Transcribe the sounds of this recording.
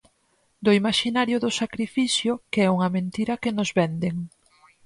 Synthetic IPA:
d̪oimaʃinaɾjʊðʊsakɾifiθjʊkeɛuŋɐmẽnt̪iɾɐkenʊzβɛnd̪eŋ

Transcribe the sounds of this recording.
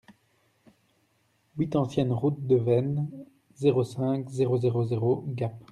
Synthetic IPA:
wit̪ɑ̃sjɛnʁut̪̚d̪əvɛn | zeʁosɛ̃kzeʁozeʁozeʁoɡap

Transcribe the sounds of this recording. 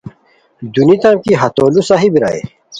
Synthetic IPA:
d̪unit̪amkiɦɐt̪oːlusaɦibiɾa̰ḛ

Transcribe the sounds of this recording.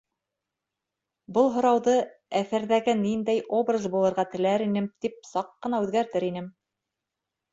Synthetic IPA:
bɤlˠɦŏɾɑwðɤ | æθæɾðæɡɘnind̪æjʔobrazbulˠɤ̆ɾʁɑt̪ɘ̆læɾinɘmt̪ip̚sɑqːɤ̆nɑʉðɡæɾt̪ɘɾinɘm

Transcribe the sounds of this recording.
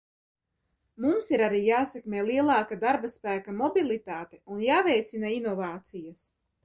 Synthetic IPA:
mumsiɾaɾiːjaːsɛkmʲɛːlˠiɛlˠɑːkad̪aɾbaspæːkamɔbilˠit̪aːt̪eunjaːvɛjt̪sinainɔvaːt̪sijas

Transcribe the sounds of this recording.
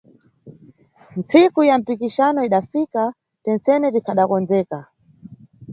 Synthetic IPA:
n̩t͡sikujam̩pikiʃanɔiɗafika | tɛnt͡sɛnɛtikʰaɗakɔnd͡zɛːka

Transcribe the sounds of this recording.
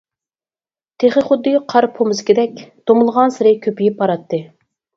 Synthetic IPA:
t̪ʰeχəχʊd̪ːɨqʰɑɾpʰomɨzkʲid̪ɛkʲd̪̥omʊlˠəʁɑnsɪɾɪkʲʰøpijipːɑɾɑt̪ːɨ

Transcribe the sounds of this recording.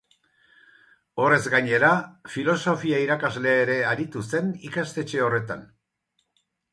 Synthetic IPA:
o̞re̞zɡaɲe̞ɾafilo̞so̞fiaiɾakazle̞ːɾe̞aɾit̪use̞nikast̪e̞t͡ʃe̞o̞re̞t̪a̰n

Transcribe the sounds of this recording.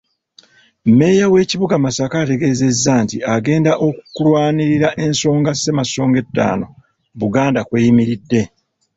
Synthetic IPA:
mme̞jawe̞ːciβuɡamasakaːte̞ɡe̞ːze̞zːaːntiaɡe̞ːndaʔo̞kukulwaːniɾiɾaʔe̞nso̞ːŋɡasːe̞maso̞ːŋɡe̞tːa̰ːno̞ | βuɡaːndakwe̞ːjimiɾidːe̞

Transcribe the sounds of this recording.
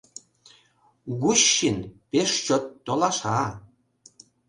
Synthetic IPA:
ɣuɕːinpeʃt͡ɕot̪ːolɑʃɑ

